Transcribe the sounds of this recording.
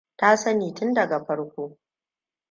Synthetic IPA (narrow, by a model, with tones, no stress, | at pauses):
ta˦sɐ˦niː˨tʊ˦ndɐ˨ɡa˨ɸɐ˦ɽkʷoː˦